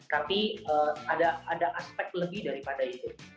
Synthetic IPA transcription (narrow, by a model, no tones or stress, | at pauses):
t̪apiəːadaadaʔaspɛk̚t̪ləbɪhdaɾipadait̪u